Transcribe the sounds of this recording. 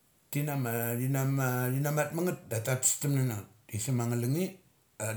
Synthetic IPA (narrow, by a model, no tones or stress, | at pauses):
tinamadinamaɾinamat̚maŋət̚datatstəmnanatisimaŋələŋi | a